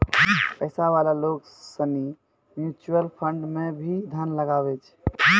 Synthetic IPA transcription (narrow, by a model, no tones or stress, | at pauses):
pəɪsaβalaloɡ | səni | mjut͡ʃuəlpʰəɳɖmebʱid̪ʱanləɡaβɛt͡ʃʰ